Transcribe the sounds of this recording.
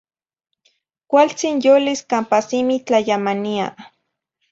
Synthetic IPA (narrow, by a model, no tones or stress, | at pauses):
kʷalt͡sinjoliskampasimit͡ɬajamania̰